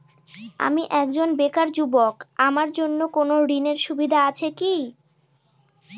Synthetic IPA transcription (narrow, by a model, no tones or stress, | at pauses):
a̰miʔɛkd͡ʑonbekaɾd͡ʑubokamaɾd͡ʑonːokonoɾineɾʃubid̪ʱaat͡ɕʰeki